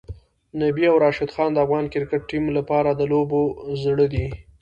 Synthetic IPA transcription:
nabiawɾɑʃɪd̪xɑnd̪əavɣɑnkɪɾkɪʈ̚ːimlapɑɾad̪əlobozɽəd̪i

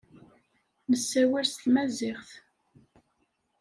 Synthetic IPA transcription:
nəsːæwæɾst̪mæzɪχθ

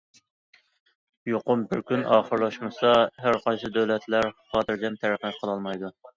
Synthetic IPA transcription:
joqʊmbɪɾkʲʰynʔɑːχəɾlˠɑʃmɨsɑɦæɾqʰɑnt͡ʃ̪ʰɨd̪øwlɛt̪ʰlæɾχɑːt̪ʰɨɾd͡ʒ̪ɛmt̪ʰæɾqnɛp̚qʰəlˠɑlˠmɑjd̪u

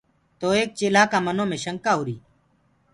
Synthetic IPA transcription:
t̪oːeːk̚t͡ʃeːlaːkaːmənõːmẽːʃəŋkaːɦʊːɾiː

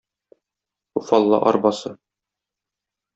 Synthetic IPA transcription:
ufɑlˠːɑ̰ʔɒ̰ɾbɑsɤ

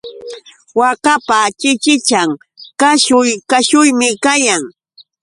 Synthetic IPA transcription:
wakapat͡ʃɪt͡ʃɪt͡ʃaŋ | kaʃʊjkaʃʊjmɪkajaŋ

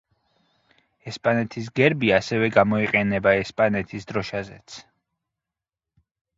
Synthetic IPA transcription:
ɛspʼanɛt̪ʰis̬ɡɛɾbiasɛvɛɡamɔiqʼɛnɛbaɛspʼanɛt̪ʰisd̪ɾɔʃazɛt̪sʰ

